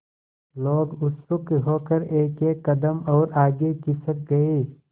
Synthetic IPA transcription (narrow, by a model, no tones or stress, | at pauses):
loːɡʊsʊkeɦoːkəɾeːkeːkːɐd̪əmɔːɾaːɡekɪsək̚ɡɐiː